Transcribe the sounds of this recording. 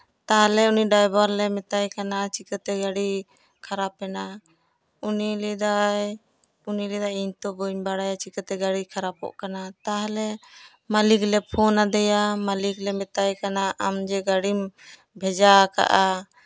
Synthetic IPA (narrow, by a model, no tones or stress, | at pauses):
t̪aɦlɛuniɖajbaɾlɛmɛt̪ajkanat͡ʃikət̪ɛɡaɽi | kʰaɾapɛna | unilid̪aj | unilid̪ajiɲt̪ɔbəɲbaɽajat͡ʃikət̪ɛɡaɽikʰaɾapɔ̰ʔkanat̪aɦlɛ | maliklɛpʰɔnad̪ɛjamaliklɛmɛt̪ajkanaʔamd͡ʒɛɡaɽim | bʱɛd͡ʒaka̰ʔa